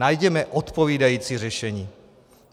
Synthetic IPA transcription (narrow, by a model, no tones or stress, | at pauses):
ajɟɛmɛʔot̪po̞viːdajiːt͡siːrɛʃɛɲiː